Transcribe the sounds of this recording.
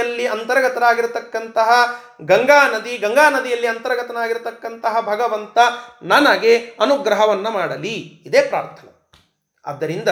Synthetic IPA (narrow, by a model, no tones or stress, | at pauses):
ɐlːiɐnt̪ɐɾɐɡɐt̪ɐnaːɡiɾut̪ɐkːɐnt̪ɐɦɐ | ɡɐŋɡaːnɐd̪iɡɐŋɡaːnɐd̪ijɐlːiɐnt̪ɐɾɐɡɐt̪ɐnaːɡiɾt̪ɐkːɐnt̪ɐɦɐbʱɐɡɐʋɐnt̪ɐnaːnaːɡeɐnuɡɾɐɦɐʋɐnːɐmaːɽɐliːd̪eːpɾaːɾt̪ʰɐnɐ̰ | ɐ̰d̪ːɐɾind̪ɐ